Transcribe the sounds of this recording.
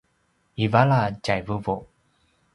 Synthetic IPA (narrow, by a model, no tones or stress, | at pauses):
ivalad͡ʒajvuvo